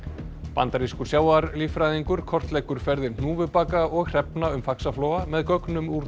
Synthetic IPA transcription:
pa̰nt̪aɾiskʏ̥sjaːwaɾlifɾajðiŋkʏɾ̥kʰɔr̥t̪lɛjkʏɾ̥fɛɾðɪn̥uːvʏpaːkaɔɣr̥ɛpnaʏmfaksaflɔːwamɛðkœknʏmuɾ

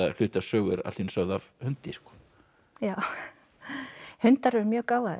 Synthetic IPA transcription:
al̥ʏːt̪asœːɣʏɾa̰linsœɣðavhʏnt̪iskɔ̥ | jaːw | hʏnt̪aɾvɛɾmjœːɣkaːwvað

